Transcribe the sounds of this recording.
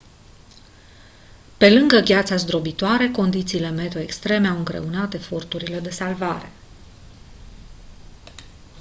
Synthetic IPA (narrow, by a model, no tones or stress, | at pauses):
pe̞lɨŋɡəvʲjat̪sazd̪ɾo̞bit̪oaɾe̞ko̞nd̪it̪siːle̞me̞t̪o̞ekst̪ɾe̞me̞awɨŋɡɾe̞̰unat̪e̞fo̞rt̪uɾile̞d̪e̞salvaɾe̞̰